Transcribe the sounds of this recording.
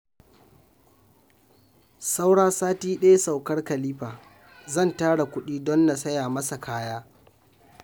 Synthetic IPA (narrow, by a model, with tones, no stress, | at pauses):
sa˦wɽaː˦saː˦tiː˦ɗɐ˦ja˦sa˨wkɐ˦rkɐ˨liː˦ɸaː˨ | zɐ˦˨ntaː˦ɽa˨kʷʊ˦ɗiː˦dɔ˦nːa˨sɐ˦jaː˨mɐ˦sa˨kʰaː˦jaː˦